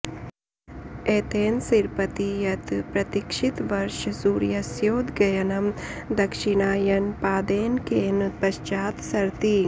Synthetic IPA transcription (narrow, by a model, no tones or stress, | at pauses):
eːt̪eːnsiɾpət̪ijɐt̪pɾɐt̪ɪkʃɪt̪ʋɐɾʃsuːɾjɐsjoːd̪ɡɐjɐnɐmd̪ɐkʃɪɽ̃aːjɐnpaːd̪eːnkeːnpɐʃt͡ʃaːt̪sɐɾt̪i